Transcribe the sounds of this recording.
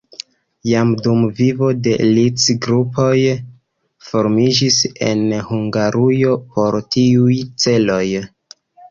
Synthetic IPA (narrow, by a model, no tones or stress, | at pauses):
jamdumvivo̞de̞lit͡sɡɾupo̞j | fo̞ɾmid͡ʒise̞̰nhuŋɡaɾʔujo̞po̞ɾtiujt͡se̞lo̞j